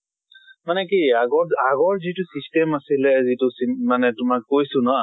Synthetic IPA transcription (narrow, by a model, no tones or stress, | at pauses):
manɛkiaɡɔaɡɔɹzitʊsistɛmasilɛzitʊsimanɛtʊmakːojsʊnɔ